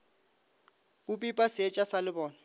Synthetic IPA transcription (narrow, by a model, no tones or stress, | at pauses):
bʊpʼipʼasɛt͡ʃʼasalɪbɔːna